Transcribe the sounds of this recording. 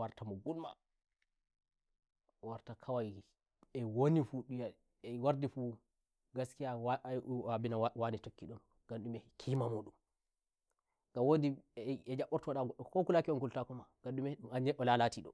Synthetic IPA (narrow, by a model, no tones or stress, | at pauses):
waɾtamɔɡulma̰ | waɾtakʰawaj | ɛwonifuɗuja | ɛwaɾdifu | ɡaskija | abinawanitokːiɗɔn | ɡ̥anɗumɛkʰimamuɗum | ɡ̥awodiɛd͡ʒaɓɔɾtɔwɗakokulakiɔnkultakɔmaɡ̥anɗumɛuaɲɛʔɔlalatiɗɔ̰